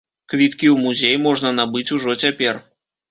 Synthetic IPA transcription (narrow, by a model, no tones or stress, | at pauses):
kvʲit̪kʲiwmuzʲejmɔʐnɐnabɨt͡sʲuʐɔt͡sʲapʲɛr